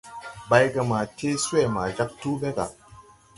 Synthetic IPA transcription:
ba˨jɡa˨ma˨te˦su˦e˦˨ma˨d͡ʒa˦k̚tu˦be˦ɡa̰˨

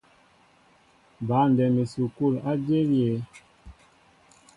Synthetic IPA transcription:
ba˨˦n˨dɛ˨mi˨su˨ku˦˨la˦d͡ʒe˦ɾje˨

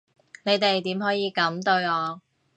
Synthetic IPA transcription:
ne˨˧jt̪e˨jt̪iː˨˥mɦɔː˨˥jiː˨˧kɐ˨˥mt̪ɵ˧ɥɔː˨˧

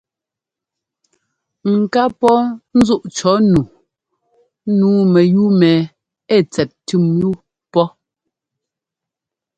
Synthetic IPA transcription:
ŋ̩˨ka˦pɔ˦n̩˦zu˦ʔt͡ʃɔ˨˦nu˨˦ | nuː˨˦mɛ˨ju˦mɛ˨ | ɛ˦˨t͡sɛ˨t̚ti˦˨mju˦ | pɔ˦

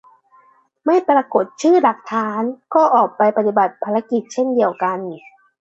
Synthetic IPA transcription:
ma˥˩jpɾa˧ko˨˩t̪̚t͡ɕʰɯː˥˩la˨˩k̚t̪ʰaː˦˥nkɔː˥˩ʔɔː˨˩k̚pa˧jpa˧t̪i˨˩ba˨˩t̪̚pʰaː˧ɾa˧ki˨˩t̪̚t͡ɕʰe˥˩ndi˧əwka˧n˨˩

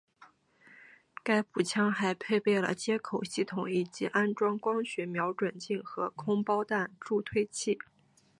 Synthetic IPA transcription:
ka˥ɪpu˨˩t͡ɕʰjɑ˥ŋxa˧˥ɪpʰe˥˧ɪpe˥˩ɪlə̰˩t͡ɕjɛ˥kʰo˨˩ʊɕi˥˩t̪ʰʊ˨˥ŋi˨˩t͡ɕi˧˥ʔa˥nʈ͡ʂwɑ˥ŋkwɑ˥ŋɕɥɛ˧˥mjɑ˧˥ʊʈ͡ʂwə˨˩nt͡ɕi˥˩ŋxɤ˧˥kʰʊ˥ŋpɑ˥ʊt̪a˥˧nʈ͡ʂu˥˧t̪ʰwe˥ɪt͡ɕʰi˥˩

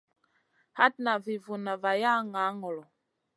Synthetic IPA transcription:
ha˦t̚na˨vi˨vu˨na˨va˨ja˦ŋa˨˦ŋɔ˨lɔ˨

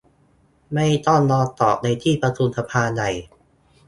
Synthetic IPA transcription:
ma˥˩jt̪ɔ˥˩ŋlɔː˧t̪ɔː˨˩p̚na˧jt̪ʰiː˥˩pɾa˧t̪ʰu˧nsa˧pʰaː˧da˨˩j

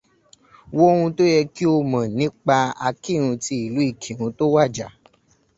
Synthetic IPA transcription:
wo˦hũ˧to˦jɛ˧ki˦o˧mã˨nĩ˦k͡pa˧a˧ki˦˨ɾ̃ũ˧ti˧i˨lu˨˦i˦˨kʰĩ˨ɾ̃ũ˧to˦wa˦˨d͡ʒa˨

